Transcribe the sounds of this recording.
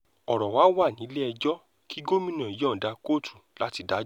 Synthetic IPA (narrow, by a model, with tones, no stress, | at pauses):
ɔ˨ɾɔ˨wa˨˦wa˦˨nĩ˨˦lɛ˦ɛ˧d͡ʒɔ˦ | ki˦ɡo˦mĩ˦nã˨i˨˦jɔ̃˦˨da˧˦ko˦˨tʰu̥˨la˦ti˧da˨˦